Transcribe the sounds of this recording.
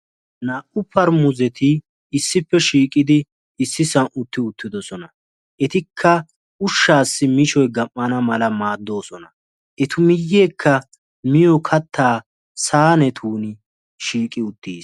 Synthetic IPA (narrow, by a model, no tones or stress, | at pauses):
naːʔʊpʰːɐɾmʊzɛt̪ɪ | ɪsːɪpːɛʃiːkʼɪd̪ɪ | ɪsːɪsɐnʔʊt̪ːɪʊt̪ːɪd̪ɔsɔnɐ | ʔɛt̪ɪkʰːɐ | ʊʃːaːsːɪmɪʃɔjɡɐmːɐnɐmɐlɐmaːd̪ːo̞ːsɔnɐ | ʔɛt̪ʊmɪjːeːkʰːɐ | mɪjɔkʰɐt̪ʰːaː | saːnɛt̪ʰuːnɪ | ʃiːkʼɪʊt̪ːiːs